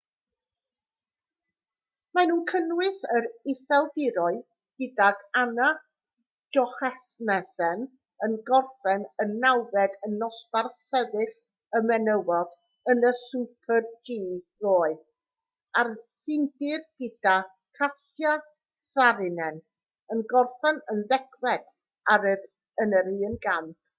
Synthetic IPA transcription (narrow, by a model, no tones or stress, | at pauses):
manuːnkʰənwɪsəɾɪsɛlˠbɪɾɔɨ | ɡ̥ɪdaɡana | d̥ɔχɛsmɛsɛn | ənɡɔrfɛnənːawvɛdənːɔsb̥arsɛvɨɬ | əmɛnəwɔd | ənəsupʰərd͡ʒiːroːɨ | arfɪndɪrɡ̥ɪd̥a | kʰatja | saɾɪnɛn | ənɡɔrfɛnənðɛkwɛd̥ | aɾə | ənəɾiːnɡam